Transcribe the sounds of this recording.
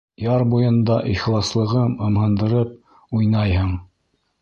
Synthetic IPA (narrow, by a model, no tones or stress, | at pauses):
jɑɾbujɤ̆nd̪ɑʔiχlˠɑslˠɤ̆ʁɤmɤ̆mhɤ̆nd̪ɤ̆ɾɤp̚ | ujnɑjhɤɴ